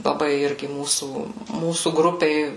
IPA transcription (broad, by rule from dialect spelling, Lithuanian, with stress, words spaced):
lˠɐˈbɐɪ ˈɪrʲɡʲɪ ˈmuːsuː ˈmuːsuː ɡrʊpʲeːj